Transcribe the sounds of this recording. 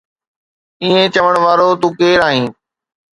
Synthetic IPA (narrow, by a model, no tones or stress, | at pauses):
iːẽt͡ɕɐʋəɽ̃ʋaːɾot̪ũːkeːɾaːɦĩː